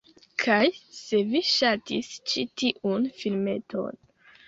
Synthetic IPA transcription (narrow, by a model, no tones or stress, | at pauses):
kʰajse̞viʃatist͡ʃitiʔunfilme̞tʰo̞̰n